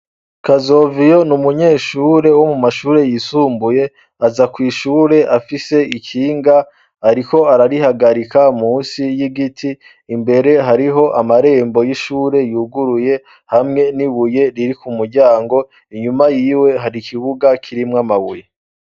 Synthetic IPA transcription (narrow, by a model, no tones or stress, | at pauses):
kazo̞ːvijo̞numuɲe̞ːʃuːɾe̞wo̞mumaʃuːɾe̞jisuːmbuje̞ | azakwiːʃuːɾe̞ʔafise̞ikʰiːŋɡa | aɾiko̞aɾaɾihaɡaɾikamuːnsijiɡitʰiː | mbe̞ɾe̞ɦaɾiɦo̞ʔamaɾe̞ːmbo̞jiʃuːɾe̞juːɡuɾuje̞ | hamŋe̞niβuje̞ɾiɾikumuɾɟaːŋɡo̞ | iɲumajiːwe̞ɦaɾikʰiβuɡakʰiɾimŋamaβuje̞